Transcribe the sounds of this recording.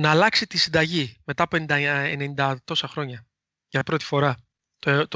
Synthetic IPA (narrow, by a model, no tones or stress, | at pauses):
nɐːlɐksit̪isind̪ɐʝime̞t̪ɐpoe̞nind̪ɐenenind̪ɐt̪o̞sɐxɾo̞ɲɐ | ʝɐpɾo̞t̪i̥fo̞ɾɐ | t̪ot̪o